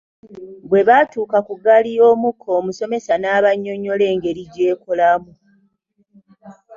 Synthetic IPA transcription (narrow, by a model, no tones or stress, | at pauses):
bwe̞βatuːkakuɡalijo̞ːmukʰːo̞ːmuso̞me̞sanaːβaɲːo̞ɲːo̞le̞ːŋɡe̞ɾiɟe̞ːkolamu